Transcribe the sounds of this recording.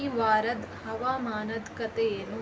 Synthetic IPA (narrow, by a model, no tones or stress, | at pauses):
iʋaːɾɐd̪ | hɐʋaːmaːnɐd̪kɐt̪eːnu